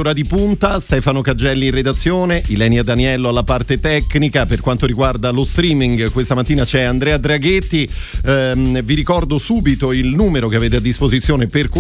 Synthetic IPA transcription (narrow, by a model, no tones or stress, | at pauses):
oːɾad̪ipunt̪ast̪ɛːfanokad͡ʒɛlːinrːed̪at̪sːjoːneʔilɛːnjad̪aniɛlːoalːapart̪et̪ɛkːnikaperkwant̪oɾiɡward̪alost̪ɾiːmiŋɡkwest̪amat̪ːiːnat͡ʃɛand̪ɾɛːad̪ɾaɡet̪ːi | viɾikɔrd̪osuːbit̪oilnuːmeɾokeaveːt̪ead̪ːispozit̪sːjoːneperk